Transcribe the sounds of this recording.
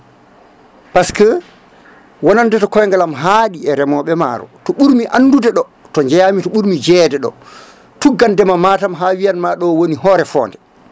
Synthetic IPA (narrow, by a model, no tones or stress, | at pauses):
paskə | wɔnandɛtɔkɔjŋɡalamɦaɗiɛɾɛmɔɓɛma̰ɾɔ̰tɔɓuɾmiʔanːdudɛɗɔ | tɔɲd͡ʒɛjamitɔɓuɾmid͡ʒɛːdɛɗɔ̰ | tuɡːandɛmamaːtamɦawijanmaɗɔwoniɦɔːɾɛfɔ̰ːndɛ